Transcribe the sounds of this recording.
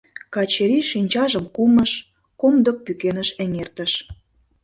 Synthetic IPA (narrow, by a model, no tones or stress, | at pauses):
kɑt͡ɕeɾiʃinʲt͡ɕɑʒə̆mkumə̆ʃ | komd̪ok̚pykenəʃenʲert̪ə̆ʃ